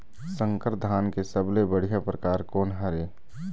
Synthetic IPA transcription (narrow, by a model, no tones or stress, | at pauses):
sə̃ŋkəɾd̪ʱaːnkesəblebəɽ̤ijapɾəkaːɾkoːnɦəɾeː